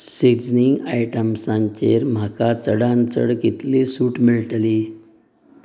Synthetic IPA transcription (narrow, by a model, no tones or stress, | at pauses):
siɡd͡zniŋɡajʈəmsãɲt͡ɕeɾm̤akat͡səɽãnt͡sə̰ɽkit̪lesuːʈmiɭʈli